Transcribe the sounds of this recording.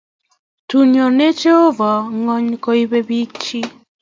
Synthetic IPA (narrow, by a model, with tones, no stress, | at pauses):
tu˨njɔ˨ne˦t͡ʃe˦o˦va˨ŋɔ˦ɲko˦i˦be˦bi˦k̚t͡ʃi˦